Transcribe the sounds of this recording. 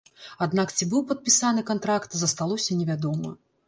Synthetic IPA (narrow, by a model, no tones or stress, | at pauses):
ad̪nakt͡sʲibɨwpɐt̪̚pʲisanɨkant̪ɾakt̪zɐst̪alˠɔsʲɐnʲɛvʲad̪ɔmɨ̰